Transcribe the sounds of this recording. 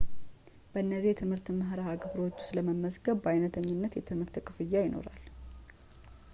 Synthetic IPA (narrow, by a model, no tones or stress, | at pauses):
b̥əɨnːəzijɛt̪ʰɨmhɨɾt̪məɦɾaaɡɨbɾo̞t͡ʃːsɨləməmːəsɡəβbajnət̪ʰəɲːɪnːət̪jɛt̪ʰɨmhɨɾt̪kʼɨfɨjːajɪnʔo̰ɾa̰l